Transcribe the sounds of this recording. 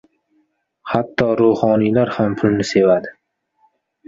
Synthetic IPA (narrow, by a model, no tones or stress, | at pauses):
hat̪ʰːɒɾohɒnilaɾhampʰʊlnɪse̞vad̪ɪ